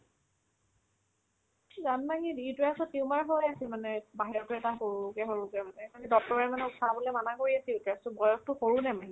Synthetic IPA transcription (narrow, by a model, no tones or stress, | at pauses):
zanmaŋidiitɹasɔtːiʊmaɹɦojasimanɛbaɦiɹɔtʊɛtaxoɹuukɛɦoɹukɛmanɛkanɛdɔk̚tɔɹɛmanɛutʰabolɛmanakoɹiasiutɹastʊbɔjɔk̚tʊxoɹunɛmanɛ